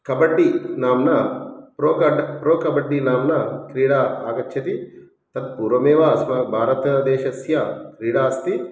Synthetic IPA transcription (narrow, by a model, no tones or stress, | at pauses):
kɐbɐɖːinaːmnɐpɾoːkɐɖɐpɾoːkɐbɐɖːinaːmnɐkɾiːɽaːaːkɐtːʰɐt̪i | t̪ɐt̪̚puːɾʋɐmeːʋaːsmɐːbʱaːɾɐt̪ɐd̪eːʃɐsjakɾiːɽaːst̪i